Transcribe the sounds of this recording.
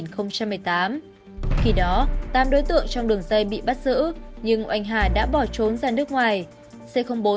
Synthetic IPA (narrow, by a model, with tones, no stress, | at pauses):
nxə˧wŋ͡mt͡ɕa˧mːɨ˨˩əjt̪aː˨˦m | ki˨˧˩ɗɔ˨˦t̪aː˧mɗo˨˦jt̪ɨ̰˧˨əŋt͡ɕɔ˧wŋ͡mɗɨ˨˩əŋzə˧jɓḭ˧˨ɓa˦˥t̚zɨ̰˧˥ɲɨ˧ŋʔwʔa˧jŋ̟ɦaː˨˩ɗa̰ː˧˥ɓɔ˧˩t͡ɕo˨˦nzaː˨˩nɨ˦˥ək̚ŋwaː˨˩j | se˧xə˧wŋ͡mɓo˨˦